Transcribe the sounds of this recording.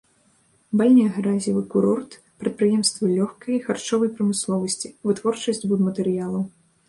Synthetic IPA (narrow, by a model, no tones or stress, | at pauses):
balʲnʲiɐɣɾazʲivɨkuɾɔrt̪ | pɾɐt̪̚pɾɨjɛmst̪vɨlʲɔxkɐjixart͡ʂɔvɐjpɾɐmɨslˠɔvɐsʲt͡sʲivɨt̪vɔrt͡ʂɐsʲd͡zʲbud̪mɐt̪ɛɾɨjalˠɐw